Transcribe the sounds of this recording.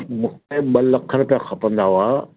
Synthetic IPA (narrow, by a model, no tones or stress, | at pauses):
mʊ̃kʰeɓɐlɐkʰəɾpjãxɐpə̃nd̪aɦuaː